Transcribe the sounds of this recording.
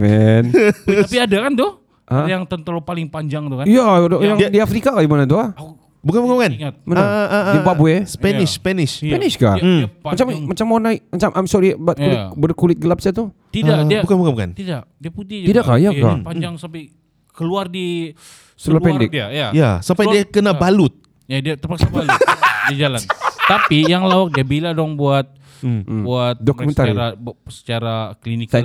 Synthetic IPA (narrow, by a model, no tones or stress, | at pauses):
fɛnapiadakant̪ʊh | ʔəjaŋt̪ənt̪əlopalɪŋpaɲd͡ʒaŋt̪ukaijajaŋdiafɾikakaimanat̪̬ua | bukanbukanbukanŋat̪̚manaəimbabuɛsə̥pɛnɪsspɛnɪspɛnɪʃka̰at͡ʃammat͡ʃamːonaimat͡ʃamʔamsoɾibat̪kulɪt̪bərkulɪt̪̚ɡəlap̚sat̪u | t̪idadibukanbukanbuka̰nt̪idaʔdiaput̪id͡ʒt̪idakkːajaka̰paɲd͡ʒaŋsampaj | kəluardi | səluapɛndɪkiajajasampajdiakənabalʊt̪̚ | jadiat̪ərpaksabaldid͡ʒalant̪apijaŋlawak̚diabiladɔŋbuat̪̚ː | buat̪̚dɔkumɛ̃nt̪aɾiɾasə̥t͡ʃaɾaklinika